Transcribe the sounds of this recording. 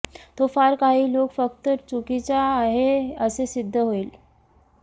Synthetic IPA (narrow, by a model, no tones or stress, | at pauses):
t̪ofaɾkaɦiːlokfək̚t̪ət͡sukit͡ɕaːɦeəsesid̪ʱːəɦoiːl